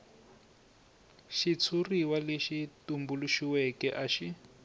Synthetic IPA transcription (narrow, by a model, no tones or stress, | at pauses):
ʃit͡sʰuriwaleʃitumbuluʃiwɛkɛʔaʃi